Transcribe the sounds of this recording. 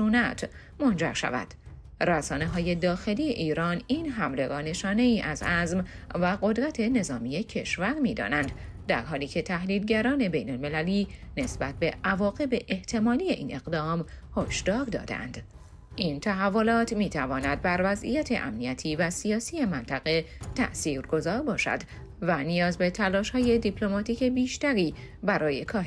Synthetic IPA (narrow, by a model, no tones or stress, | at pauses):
ʃunæt̪ʰ | mo̞nd͡ʒæ̰ɾʃæ̰væ̰d̪̥ | ræsɒːne̞ɦɒːje̞d̪ɒːxe̞liːje̞ʔiːɾɒːniːnɦæmle̞ɡɒːne̞ʃɒːne̞iːʔæzæzm | væɣo̞d̪ɾæt̪ʰe̞ne̞zɒːmiːje̞cʰe̞ʃvæɾmiːd̪ɒ̰ːnænd̪ | d̪æ̰ɾɦɒːliːcʰe̞t̪ʰæhliːd̪ɟæɾɒːne̞be̞jnolme̞læliːne̞sbæt̪̚ʰbe̞ʔævɒːɣe̞be̞ʔeht̪ʰe̞mɒːlije̞ʔiːne̞ɣd̪ɒːmhoʃd̪̥ɒːɾd̪ɒ̰ːd̪ḛæ̰nd̪̥ | ʔint̪ʰæɦævːo̞lɒːt̪ʰmiːt̪ʰævɒːnæd̪̚bæɾvæzʔḭjæt̪ʰe̞̰ʔæ̰mnijæt̪ʰiːvæsiɒːsiːje̞mænt̪ʰæɣe̞t̪ʰæ̰ʔsiːɾɡo̞zɒːɾbɒːʃæ̰d̪ | vænijɒːzbe̞t̪ʰælɒːʃhɒːje̞d̪ipʰlo̞mɒːt̪ʰiːke̞biːʃt̪æɾiː | bæɾɒːje̞kʰɒːhe